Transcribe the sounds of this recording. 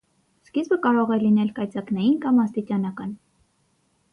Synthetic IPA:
skizbəkɑɾɔʁɛlinɛlkɑjt͡sɑknɑjinkɑmɑst̪it͡ʃɑnɑkɑn

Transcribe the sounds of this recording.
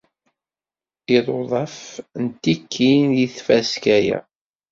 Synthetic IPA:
iðˤoðˤɑfnt̪ːikʰːinjiθfæskæjæ̰

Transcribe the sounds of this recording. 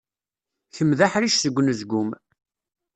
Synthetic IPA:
θəmðaħɾiʃsəɡʷːnəzɡʷʊm

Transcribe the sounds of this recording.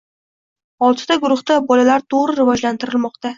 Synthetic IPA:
ɒlˠt̪ʰɪd̪aɡʊɾʊχt̪abɒlalaɾt̪ʰoʁɾɪɾɪvɒd͡ʒlant̪ʰɪɾɪlmɒqt̪a

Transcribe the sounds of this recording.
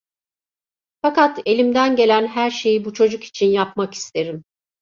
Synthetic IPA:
fakat̪e̞lʲimd̪ænɟe̞lʲænɦæɾʃe̞jibut͡ʃʰo̞d͡ʒuki̥t͡ʃʰinjapmaki̥st̪ʰe̞ɾim

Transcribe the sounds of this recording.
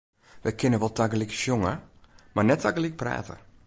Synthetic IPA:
ʋɛjkʰɪnəʋɔlˠtʰaɡəlikʃjoŋəmarnɛtaɡəlik̚pra̰ːtə̰

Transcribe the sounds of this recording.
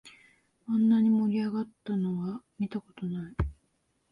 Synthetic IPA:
ãnːaɲ̟imo̞ɾʲiaɡat̪ːano̞βamʲit̪ako̞t̪o̞nai

